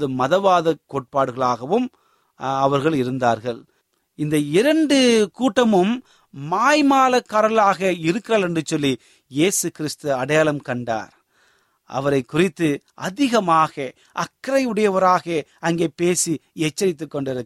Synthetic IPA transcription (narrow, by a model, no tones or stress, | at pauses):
ðɯmɐðɐʋaːðɐkoːʈ̚paːɽɯɣɐɭaːɣɐʋɯm | ɐʋɐɾɣɐɭɪɾɯnd̪aːɾɣɐɭ | ɪnd̪ɐɪɾɐɳɖɯkuːʈːɐmɯmː | aːjmaːlɐkːaːɾɐlaːɣɐɪɾɯkːɪɾaːlɛndrɯt͡ʃɔlːi | jeːsɯkɪɾɪst̪ɯɐɽɐjaːlɐmkɐɳɖa̰ːɾ | ʔɐ̰ʋɐɾɐɪkːʊrɪt̪ːɯ | ʔɐðɪɣɐmaːɣɐ | ʔɐkːɾɐɪɯɽɐjɐʋɐɾaːɣɐɐŋɡeːpeːsiɛt͡ʃːɐɾɪt̪̬ːɯkːɔɳɖɪɾɯk